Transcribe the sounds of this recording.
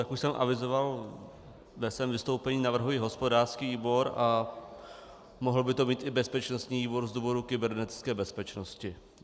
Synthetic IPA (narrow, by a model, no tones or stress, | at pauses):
t̪akuʃsɛmʔa̰vɪzoval | vɛsvɛːmvɪst̪owpɛɲiːnavr̩ɦujiɦo̞spodaːrskiːviːbo̞ɾa | moɦl̩bɪt̪o̞miːt̪ʔɪbɛspɛt͡ʃnost̪ɲiːviːboɾzd̪uːvoɾukɪbɛɾnɛt̪ɪ̥t͡skɛːbɛspɛt͡ʃnoscɪ